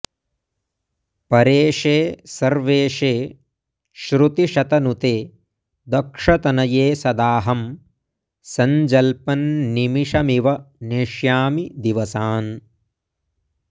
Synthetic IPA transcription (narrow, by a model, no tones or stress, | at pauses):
pɐɾeːʂeːsɐɾʋeːʂeː | ʃɾut̪iʃɐt̪ɐnut̪eː | d̪ɐkʂɐt̪ɐnɐjeːsɐd̪aːɦɐm | sɐɲd͡ʒɐlpɐnːimiʂɐmiʋɐneʂjaːmid̪iʋɐsaːn